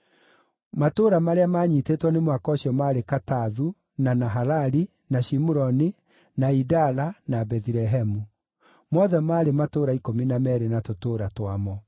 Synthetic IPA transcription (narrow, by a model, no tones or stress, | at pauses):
matoːɾamaɾeamaːɲitetwɔnemwakɔːɕjɔmaːɾekataðu | nanaɦalaɾi | naʃimuɾɔni | naidalanabɛðiɾɛɦɛmu | mɔðɛmaːɾematoɾaikominamɛɾenatotoːɾatwamɔ